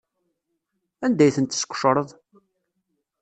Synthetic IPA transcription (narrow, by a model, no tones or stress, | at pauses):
ænd̪æjθənt̪ːskʷːʃɾˤəðˤ